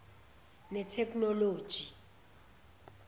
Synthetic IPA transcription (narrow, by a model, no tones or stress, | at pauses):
nɛtʰɛkʰʼnɔloːd̥ʒ̥ʱi